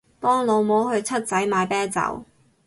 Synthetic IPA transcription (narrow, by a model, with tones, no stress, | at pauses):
pɔː˥ŋlo˨˧wmo˨˥whɵ˨˧ɥt͡sʰɐ˥t̚t͡sɐ˨˥jmaː˨˧jpɛː˥nt͡sɐ̰˨˥w